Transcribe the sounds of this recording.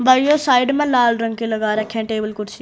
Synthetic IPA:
baːjoːsaːɪɖmɛ̃laːlɾɐ̃ŋɡ̚kilɐɡaːɾɐkʰːẽʈeːbəlkʊʈsi

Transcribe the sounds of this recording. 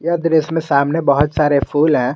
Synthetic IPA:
jad̪ɾesmẽsaːmnebəɦʊt̪saːɾepʰuːlɦɛ̃ː

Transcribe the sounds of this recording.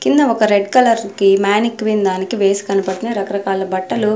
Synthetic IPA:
kind̪ɐɔkɐɾeɖkɐlɐɾkimaːnikʋind̪aːnikiʋeːsi̥kɐnibɐʈ̪inɐɾɐkɐɾɐkaːlɐbɐʈːɐlu

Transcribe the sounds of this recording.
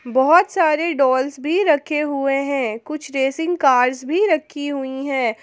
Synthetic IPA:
bɔɦɔt̪saːɾeɖɔːlsbʱiɾɐkʰːeɦueɦɛ̃ːkʊt͡ʃʰɾeːsɪ̃ŋɡkaːɾzbʱiɾɐkʰːiɦʊiɦɛ̃ː

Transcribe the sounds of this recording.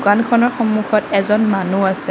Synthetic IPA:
kankʰɔnɔɹxɔmːukʰɔtɛzɔnmanuasɛ

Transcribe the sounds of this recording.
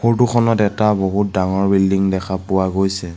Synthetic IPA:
xoɹtukʰɔnɔtɛtaboɦut̚daŋɔɹbildiŋdɛkʰapʊwaɡojsɛ

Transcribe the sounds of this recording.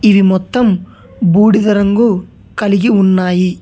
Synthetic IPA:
iʋimɔt̪ːɐm | buːɽid̪ɐɾɐŋɡu | kɐliɡiunːaːji

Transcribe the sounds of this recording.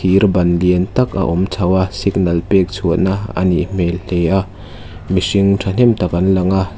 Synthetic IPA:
iɾbɐnliənt̪ɐka̰ʔumt͡sʰɐwɐsik̚nɐlpɛk̚t͡sʰuənaɐ̰niʔm̥elleja | misiŋtʰɐn̥ɛmt̪ɐkɐnlɐŋa

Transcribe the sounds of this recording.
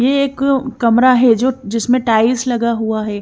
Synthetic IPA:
jeeːkːɐmɾaɦɛd͡ʒoːd͡ʒɪsmẽʈaːɪslɐɡaɦuaɦɛː

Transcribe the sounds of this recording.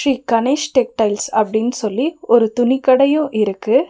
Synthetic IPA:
ɾiːkɐnɐsʈɛk̚ʈɐɪlsɐpːɐɽɪnːɯsɔlːiɔɾɯt̪ʊnɪkːɐɽɐjʊ̃ʔɪɾɯkːɯ

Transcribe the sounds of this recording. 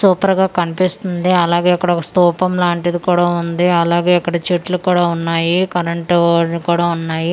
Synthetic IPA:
suːpɐɾɡaːkɐnipist̪und̪iɐlaːɡeːɐkːɐɽɐɐst̪uːpɐmlaːɳʈid̪ikuːɽaːund̪iɐlaːɡeːɐkːɐɽɐt͡ʃiʈlukuːɽaːunːaːjikɐɾɐɳʈkuːɽaːunːaːji

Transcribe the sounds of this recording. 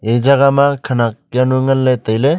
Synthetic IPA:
ed͡ʒaɡamakʰanak̚januŋɐlːet̪əjle

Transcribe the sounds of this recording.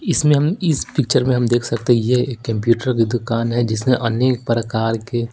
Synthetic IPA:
ɪsmẽɦɐmɪspɪk̚t͡ʃəɾmẽɦɐmd̪eːkʰsɐkt̪eɦɛ̃jeeːkːɐ̃mp̬juːʈəɾked̪ʊkaːnɦɛd͡ʒɪsmẽʔɐnjeːk̚pəɾəkaːɾke

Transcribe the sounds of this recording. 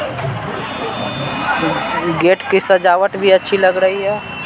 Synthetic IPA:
ɡeʈkisəd͡ʒaʋəʈbʱiətːʃʰiləɡɾəɦiɦɛ

